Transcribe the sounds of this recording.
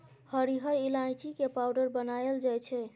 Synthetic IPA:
həɾiɦəɾilajt͡ʃikepawɖəɾbənajld͡ʒajt͡ʃʰɛ

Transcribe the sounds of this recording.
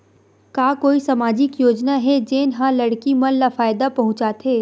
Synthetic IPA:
kaːkoːisɐmaːd͡ʒɪkjoːd͡ʒnaɦɛd͡ʒeːnɦãlɐɽkimɐnlafaːjd̪apɐɦʊ̃t͡ʃaːt̪ʰeː

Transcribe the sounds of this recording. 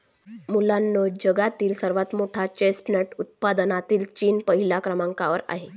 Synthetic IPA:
mulanːod͡ʑəɡat̪iːlsəɾʋat̪moʈʰat͡ɕesʈnəʈut̪̚pad̪ənat̪iːlt͡ɕiːnpəɦilakɾəmãŋkaʋəɾa̰ɦe

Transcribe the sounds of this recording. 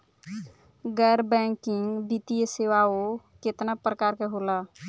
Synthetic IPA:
ɡəjɾbɛ̃ŋkiŋɡbit̪ijəsewao | ket̪napɾəkaɾkeɦola

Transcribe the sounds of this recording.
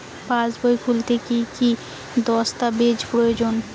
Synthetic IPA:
pãsbojkʰult̪ʰekiki | d̪ɔst̪abed͡ʑpɾojod͡ʑon

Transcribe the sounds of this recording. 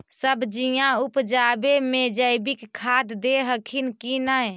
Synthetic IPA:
səbd͡ʒijãupd͡ʒabemed͡ʒəjbikkʰːad̪d̪eɦəkʰinkinaj

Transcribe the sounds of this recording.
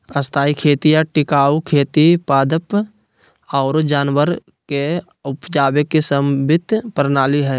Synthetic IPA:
əst̪ʰaːikʰeːt̪ijaʈɪkaːukʰeːt̪ipaːd̪əp | ɔːɾd͡ʒaːnwəɾ | ke | ʊpd͡ʒaːbekːesəmbʱɪt̪ːpɾnaːliɦɛː

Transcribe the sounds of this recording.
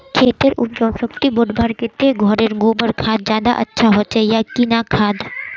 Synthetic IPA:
kʰet̪eɾṵdd͡ʒɔʃokt̪iboɖbʱaɾket̪eɡʱɔɾeɾɡobəɾkʰad̪̚d͡ʑad̪aʔə̰tːɕʰaɦoːɕʰejakinakʰad̪

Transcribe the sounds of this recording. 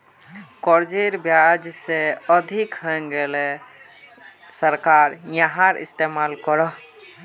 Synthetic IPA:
kɔɾd͡ʒeɾbjad͡ʒseəd̪ʱikɦəɡele | səɾkaɾjaɦãɾḭst̪emalkəɾəɦ

